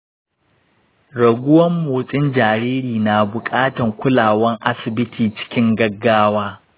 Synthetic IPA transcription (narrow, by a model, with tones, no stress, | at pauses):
ɽɐ˨ɡʷʊ˦wɐ˦mːoː˨sʼɪ˦nd͡ʒaː˨ɽiː˦ɾiː˨na˨bʊ˨kʼaː˦tɐ˨ŋkʷʊ˦laː˨wɐ˦ŋʔa˦sɪ˨bɪ˦tʰiː˨t͡ʃɪ̥˦kʲɪ˦ŋɡɐ˦ɡːaː˦waː˦